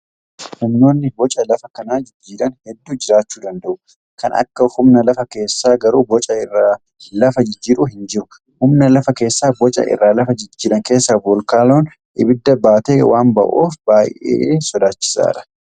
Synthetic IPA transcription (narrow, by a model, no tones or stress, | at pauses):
hʊmno̞ːnːɪbɔt͡ʃʼɐlɐfɐkɐnaːd͡ʒɪd͡ʒːiːɾɐnhɛd̪ːuːd͡ʒɪɾaːt͡ʃːuːd̪ɐnd̪ɐʔʊ | kɐnɐ̰kːɐhʊmnɐlɐfɐke̞ːsːaːɡɐɾuːbɔt͡ʃʼɐɪrːaː | lɐfɐd͡ʒɪd͡ʒːiːɾuɦɪnd͡ʒɪɾʊ | hʊmnɐlɐfɐke̞ːsːaːbɔt͡ʃʼɐ̰ʔɪ̰rːaːlɐfɐd͡ʒɪd͡ʒːiːɾɐŋke̞ːsːɐbɔlkaːloːn | ʔɪbɪd̪ːɐbaːt̪eːwʔaːmbɐ̰ʔo̰ːfbaːjʔḛːsɔd̪aːt͡ʃːɪ̥sa̰ːᶑɐ̥